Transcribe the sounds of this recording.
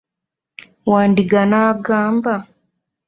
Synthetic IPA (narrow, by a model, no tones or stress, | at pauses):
wandiɡanaɡamba